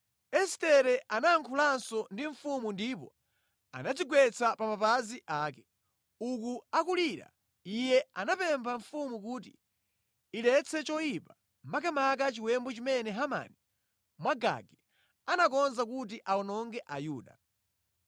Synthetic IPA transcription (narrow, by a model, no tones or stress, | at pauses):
ɛstɛɾɛʔanaːŋkʰulansɔndiɱfumundipɔ | a̰nad͡ziɡwɛt͡sʰapamapaziʔaːkɛ̥ | uk̬uakuliːɾa̰ | ijɛanapɛmbʰaɱfumukuːtḭː | lɛt͡sʰɛt͡ʃɔjipa | mak̬ɛmak̬at͡ʃiwɛmbɔt͡ʃimɛnɛɦama̰ni | mwaɡa̰ɡɛ | anakɔnzak̬ut̬iʔaɔnɔŋɡɛʔajuːɗa̰